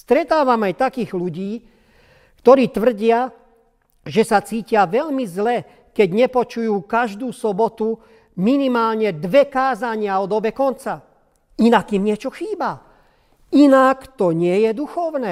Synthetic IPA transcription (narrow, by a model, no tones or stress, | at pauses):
st̪ɾɛt̪aːʋamajt̪akiːɣluɟiː | kt̪ɔɾiːt̪ʋr̩ɟɪa | ʒɛsat͡siːcɪaʋɛʎmizlɛ | kɛɟɲɛpɔt͡ʃujuːkaʒd̪uːsɔbɔt̪u | minimaːlɲɛd̪ʋɛkaːzaɲɪaɔd̪ɔbɛkɔnt͡sa | inakimɲɪɛt͡ʃɔxiːba | inakt̪ɔɲɪɛjɛd̪uxɔʊnɛː